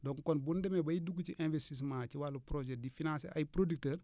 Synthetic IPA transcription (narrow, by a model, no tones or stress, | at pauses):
dɔŋkɔnbundɛmɛbɐjiduɡuciʔɛ̃nvɛstis̬mãːciwalːupɾod͡ʒɛt̚difinãnsɛ̰ʔajpɾodik̚təːr